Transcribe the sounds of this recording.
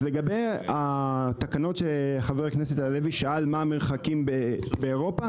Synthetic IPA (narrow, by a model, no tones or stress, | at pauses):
leɡabejat̪akano̞tʃeχaveʁkneset̪aleviʃaalmaːmeχakimbebeːʁo̞pa